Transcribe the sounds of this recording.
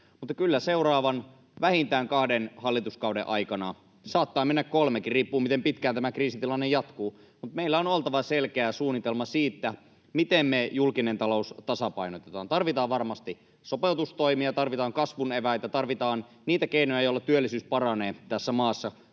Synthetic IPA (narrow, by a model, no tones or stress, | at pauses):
mut̪ːɑkylːæseurɑːʋɑn | ʋæhint̪æːŋkɑhdenhɑlːit̪uskɑwdḛʔɑjkɑnɑ | sɑːt̪ːɑːmenːækkolmekiriːpːuːmit̪empit̪kæːnt̪æmækriːsit̪ilɑnːejɑt̪kuː | mut̪meilːæonolt̪ɑʋɑselkeæsuːnːit̪elmɑsiːt̪ːæ | mit̪emmejulkinent̪ɑlo̞ust̪ɑsɑpɑinot̪et̪ɑːnt̪ɑrʋit̪ɑːʋʋɑrmɑst̪i | sopelt̪ust̪oimiɑt̪ɑrʋit̪ɑːŋkɑsʋuneʋæjt̪æt̪ɑrʋit̪ɑːn | niːt̪ækeinojɑjoilːɑt̪yølːisyːspɑrɑneːt̪æsːæmɑːsːɑ